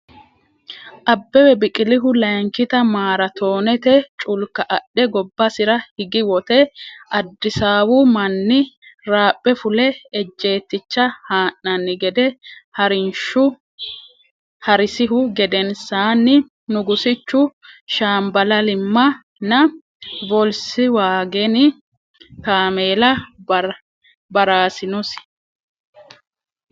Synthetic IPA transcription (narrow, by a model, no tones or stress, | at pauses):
ʔɐbːɛwɛbɪkʼɪlɪɦʊlɐjŋkɪt̪ɐmaːɾɐt̪ʰo̞ːnɛt̪ɛt͡ʃʼʊlkːɐʔɐɗːɛɡɔbːɐsɪɾɐhɪɡɪwɔt̪ɛʔɐd̪ːɪsaːwʊmɐnːɪɾaːpʼːɛfʊlɛɛd͡ʒːe̞ːt̪ːɪt͡ʃːɐhaːʔːɐnːɪɡɛd̪ɛhɐɾɪnʃʊ | hɐɾɪsɪɦʊɡɛd̪ɛnsaːnːɪ | nʊɡʊsɪt͡ʃːʊʃaːmbɐlɐlɪmːɐ | nɐ | bɔlsɪwaːɡɛnɪ | kaːmeːlɐ | bɐɾaːsɪnɔs